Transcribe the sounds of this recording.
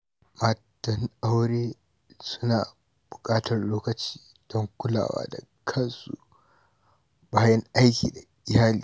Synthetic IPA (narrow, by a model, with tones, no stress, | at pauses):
maː˨tɐ˦na˦wɽeː˦ | sʊ̥˦naː˨ | b̥ʊ˨kʼaː˦tɐ˨rloː˦kɐ˨t͡ʃi̥ː˦ | d̥ɔ˦ŋkʷʊ˦la̰ː˨wa̰ː˦da̰˨kʰɐ˦nsṵ˨ | baː˦jɐ˦ŋʔa˦jkʲḭː˨da˨ | ɪ˦haː˦liː˨